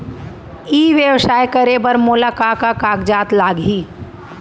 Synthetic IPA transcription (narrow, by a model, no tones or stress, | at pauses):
iːʋjəwsaːjkəɾebəɾmʊlaːkakakaːɡd͡ʒaːt̪laːɡiː